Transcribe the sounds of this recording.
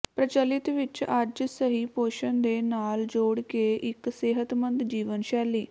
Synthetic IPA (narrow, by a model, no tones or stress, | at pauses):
pɾət͡ʃəlɪt̪ʋɪt͡ʃəd͡ʒsəɦiːpoːʃənd̪eːnaːld͡ʒoːɽkeʔɪkseːɦət̪mə̃nd̪d͡ʒiːʋənʃɛːliː